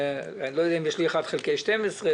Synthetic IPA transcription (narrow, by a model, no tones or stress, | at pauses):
alojodɛːimjeʃlieχadχelkejʃtɛmesʁe